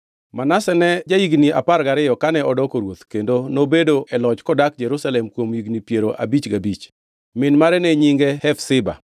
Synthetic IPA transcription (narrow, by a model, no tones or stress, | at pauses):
manasɛnɛd͡ʒajiɡnia̰paɾɡaɾɪjɔkanɛɔdɔkoɾwot̪kendonobedoʔɛlɔt͡ʃkɔdak̚d͡ʒɛɾusalɛmkwomjiɡnipjeɾoʔa̰bit͡ʃɡabit͡ʃ | mɪnmaɾɛnɛɲiŋɡɛhɛfsɪba̰